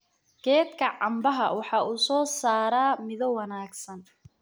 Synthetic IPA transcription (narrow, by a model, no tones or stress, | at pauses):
ɡ̥ɛːt̪kʰɐʕɑmbɐɦɐwɑħɑːʔuːsɔːsaːɾaːmɪðɔwɐnaːɡsɐn